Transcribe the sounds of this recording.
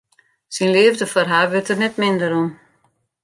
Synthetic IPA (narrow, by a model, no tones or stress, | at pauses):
sinlɪəvdəfɔrɦaːʋɪtərnɛtmɪndəɾɔm